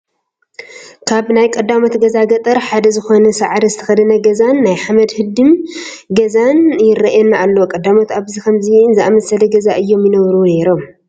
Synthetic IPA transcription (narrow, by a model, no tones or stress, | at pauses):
kʰaβnajkʼɐd̪ːamot̪ɡɐzaɡɐt̪ʼɨɾħad̪ɐzɨxo̞nɐsaʕɾɐzɨt̪ʰɐ̥xɐd̪ɐnɐɡɐzanːajħamɐd̪hɨd̪ɨmɡɐzanjɪrɐʔɛnːaʔːlːokʼɐd̪amot̪aβzikʰɐmzinzɨʔamɐsɐlɐɡɐzaʔɨjːo̞mjɪnɐβɾuneɾom